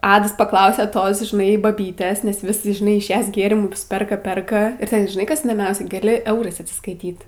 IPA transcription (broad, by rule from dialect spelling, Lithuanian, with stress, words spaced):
ˈɑːdɐs pɐˈklˠɐʊsʲɛ ˈtoːs ʒʲɪˈnɐɪ bɐˈbʲiːtʲeːs nʲɛs ʋʲɪs ʒʲɪˈnɐɪ ɪʃ ˈjɛs ˈɡʲeːrʲɪmʊs ˈpʲɛrkɐ ˈpʲɛrkɐ ɪr ˈtʲɛn ʒʲɪˈnɐɪ ˈkɐs iːdoːˈmʲɛʊsʲɛ ɡɐˈlʲɪ ˈɛʊrɐɪs ɐtʲsʲɪskɐɪˈtʲiːt